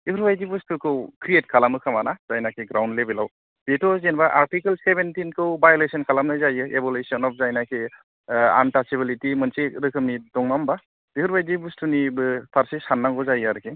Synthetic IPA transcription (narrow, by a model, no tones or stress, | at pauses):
ihuɾbajdibustʰukʰɯwkʰɾiet̚kʰalamɯkʰamanaz̥ajnakʰeɡɾawndlebilaw | b̥etɔzenbaʔaɾtikəlsebentinkʰɯwbajolesɔnkʰalamnajzajɯebɔlesiɔnɔp̚ʰzajnakʰe | a̰ntasibilitimɯnseɾɯkʰɯmnidɔŋmamba | dihɯɾbajdibustunibɯpʰaɾsesanːaŋkɔzajɯaɾkʰe